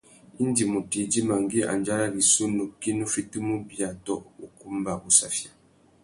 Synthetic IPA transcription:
i˦n˦di˨mu˨ti˨d͡ʒi˦ma˨ŋɡi˦a̰˨nd͡ʒa˦la˦li˨su˦no˨ki˦nu˦fi˦ti˦mu˦bja˨tɔ˦˨ʔu˨ku˦mba˨bu˨sa˨fja˨

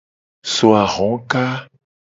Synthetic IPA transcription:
so˨a˨ʁɔ̃˨˦ka˦

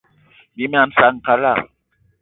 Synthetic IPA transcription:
bi˨˦m˦a˨n̩˦sa˨ŋ̩˨ka˨la˦˨

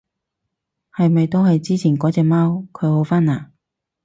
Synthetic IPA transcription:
hɐ˨jmɐ˨jt̪o˥whɐ˨jt͡siː˥t͡sʰiː˨˩nkɔː˨˥t͡sɛː˧maː˥wkʰɵ˨˧ɥho˨˧wfaː˥naː˨˩

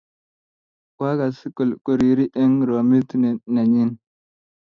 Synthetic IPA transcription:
kwa˦ɡa˨si˦ku˨lku˨ɾi˨ɾi˦ʔi˦ŋɾo˨mi˦tna˨ɲi˦n

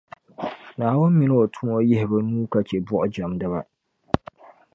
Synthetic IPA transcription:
naː˨wʊ̃˦m˦mɪ˨nɪ˦ɔ˨tʰu˦mɔ˦jɪ˦hɪ˨ba˦nũː˦ka˨t͡ʃɛ˨bɔ˦ʔʊ˦d͡ʒa˨mdɨ˦βa̰˦

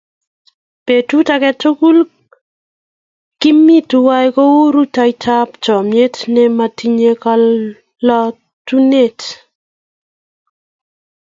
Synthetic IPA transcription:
pe˨tu˦takɛtʊ˦ku˦l | kɪ˦mi˦tuwa˦jko˦u˦ɾu˦tajtʰa˦pt͡ʃɔ˨mje˦tnɛma˨tiɲekal | lɔ˦ | tu˦ne˦t

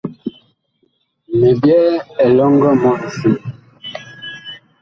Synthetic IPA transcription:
me˨bjɛ˦ɛ˨lɔ˦ŋɡə˦mɔ˦˨si˦

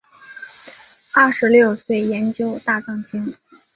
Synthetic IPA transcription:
a˥˩ʂɻ̩˧˥ljo˥˧ʊswe˥˩ɪjɛ˧˥nt͡ɕjo˥ʊt̪a˥˧ʈ͡ʂɑ˥˩ŋt͡ɕi˥ŋ

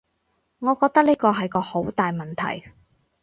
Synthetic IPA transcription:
ŋɔː˨˧kɔː˧k̚t̪ɐ˥k̚niː˥kɔː˧ɦɐ˨jkɔː˧ho˨˥wt̪aː˨jmɐ˨˩nt̪ʰɐ̰˨˩j

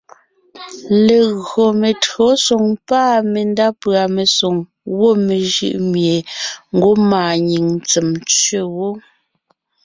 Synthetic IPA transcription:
le˨ɣɰo˨me˨tɰo˨˦so˨ŋpaː˦˨me˨nda˦pɰa˨me˨so˨ŋ | ɣwo˦me˨ʒɯ̰˦˨ʔmje˨ŋ̩˦ɡo˦maː˨ɲi˨ŋt͡se˨mt͡sɥe˦wo˦

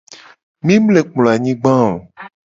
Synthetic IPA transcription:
mĩ˦ble˨k͡plo˨a˨ɲĩ˦ɡ͡bã˦o˨

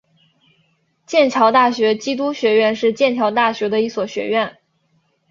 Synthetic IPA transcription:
t͡ɕjɛ˥˩nt͡ɕʰjɑ˧˥ʊt̪a˥˩ɕɥɛ˧˥t͡ɕi˥t̪̬u˥ɕɥɛ˧˥ɥɛ˥˧nʂɻ̩˥˧t͡ɕjɛ˥˩nt͡ɕʰjɑ˧˥ʊt̪a˥˩ɕɥɛ˧˥d̪ə˧i˥˩swɔ˨˩ɕɥɛ̰˧˥ɥɛ˥˩n

